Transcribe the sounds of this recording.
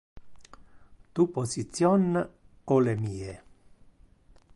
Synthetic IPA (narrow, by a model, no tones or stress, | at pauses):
t̪uposit̪sjɔn | kolemiːe